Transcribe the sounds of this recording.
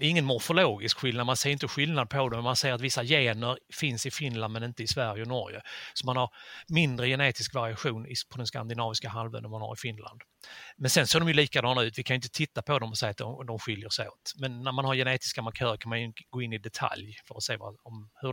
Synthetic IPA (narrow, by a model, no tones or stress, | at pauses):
ɪŋːənmʊɾfʊloːɡɪskɧɪlnad̪mansɛjɾɪnt̪əɧɪldnad̪̚pʰɔd̪ɔmmansɛjəɾat̪vɪsːajeːnəɾfɪnsɪfɪnland̪mɛnɪnt̪əɪsvæɾjəɔnɔ̰ɾjə̰sɔmanhaɾmɪnd̪ɾəjɛneːt̪ɪskvaɾɪaɧuːnɪpʰɔd̪ɛnska̰nd̪ɪnɑːvɪskaɦalvə̰nənmanha̰ɾɪfɪnla̰nd̪ | mɛnsɛnseːdɔmjɵliːkad̪ɑːnaʉ̟ːt̪vɪkʰanʏɪnt̪ət̪ʰɪt̪ːapʰɔd̪ɔmɔsɛːat̪̚d̪ɔd̪ɔmɧʏljəʂɛɪo̰ːt̪mɛnːæɾmanhaɾjɛneːt̪ɪ̥skamaɾkʰœːɾəkʰanmanjɡoːɪnːɪd̪ɛt̪ʰa̰ljfœɾɔseːva̰ɔmhɵ